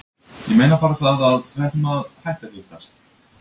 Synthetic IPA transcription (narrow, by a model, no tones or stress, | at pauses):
jɛmeːjnafaːɾaθaðaðkvɛht̪maðhajht̪alɪht̪ast̪